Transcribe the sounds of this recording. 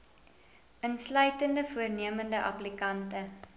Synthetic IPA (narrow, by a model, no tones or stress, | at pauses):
ənslœɥtəndəfuərniəməndəʔɐ̰plikɐntə